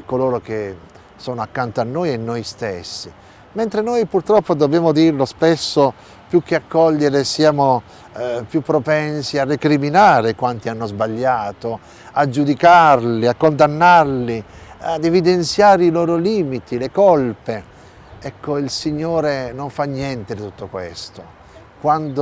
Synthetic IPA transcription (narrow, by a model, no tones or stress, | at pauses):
koloːɾok̟e | sɔːnoakːant̪oanːoːjenːojst̪esːi | mɛnt̪ɾenoːjpurt̪ɾɔpːod̪objaːmod̪irlospesːo | pjuk̟ːeakːɔʎːeɾesiaːmo | pjupːɾopɛnsiarːekɾiminaːɾekwant̪ianːozbaʎːaːt̪o | ad͡ʒːud̪ikarliakːond̪anːarliad̪evid̪ent̪sjaːɾeiloːɾoliːmit̪ilekɔlpe | ɛkːoilsiɲːoːɾenoɱfanːjɛnt̪ed̪it̪ut̪ːokwḛst̪o | kwand̪o